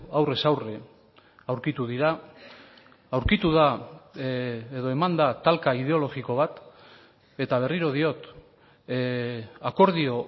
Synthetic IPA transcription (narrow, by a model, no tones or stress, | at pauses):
awre̞sawre | awɾkit̪uðiɾa | awɾkit̪uða | eðo̞e̞mand̪at̪alkaið̞e̞o̞lo̞ɣiko̞β̞at̪ | e̞t̪aβ̞e̞riɾo̞ð̞io̞t̪ | ako̞ɾðio̞